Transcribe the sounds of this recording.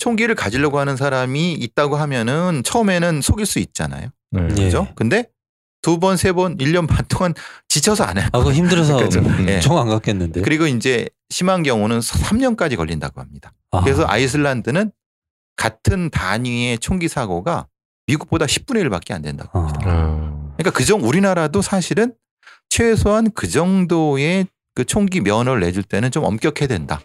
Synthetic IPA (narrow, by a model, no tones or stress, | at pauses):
t͡ɕʰoŋɡiɾɯɭkad͡ʑiʎjʌɡoɦanɯnsʰaɾamiːt̚t͈aɡoɦamjʌnɯnt͡ɕʰʌɯme̞nɯnsʰoɡiɭs͈uit̚t͡ɕ͈a̰na̰jo | ɯd͡ʑokɯnde̞ | tubʌnsʰe̞bʌniʎːʌnpantʰoŋant͡ɕit͡ɕʰʌsʰʌa̰naçimdɯɾʌs̬ʌkɯd͡ʑojeoŋaŋɡak͈enːɯndekɯɾiɡoind͡ʑe̞ | ɕʰimaŋɡjʌŋonɯnsʰamɲʌnk͈ad͡ʑikʌ̰ʎːinda̰ɡohamɲid̥akɯɾe̞sʰʌʔa̰is̬ʰɯɭːandɯnɯn | katʰɯntaɲie̞t͡ɕʰoŋɡisʰaɡoɡa | miɡuk̚p͈odaɕʰi̥p̚p͈une̞iɭpa̰k͈ea̰ndwe̞nda̰ɡoidakɯɲik͈akɯd͡ʑʌŋuɾinaɾadosʰaɕʰiɾɯn | t͡ɕʰwe̞sʰoɦankɯd͡ʑʌŋdoe̞ | kɯt͡ɕʰoŋɡimjʌnʌɾɯɭːe̞d͡ʑuɭt͈e̞nɯnt͡ɕomʌ̰mk͈jʌkʰe̞dwe̞nda̰